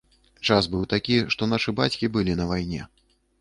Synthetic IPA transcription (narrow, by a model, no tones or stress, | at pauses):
t͡ʂasbɨwt̪akʲiʂt̪ɔnaʂɨbat͡sʲkʲibɨlʲinɐvajnʲɛ̰